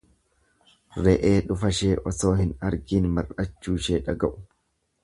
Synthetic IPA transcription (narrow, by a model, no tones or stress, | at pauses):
ɾɛʔeːᶑʊfɐʃeːʔɔso̞ːhɪnɐɾɡiːnmɐrɐt͡ʃːuːʃeːᶑɐɡɐʔʊ̥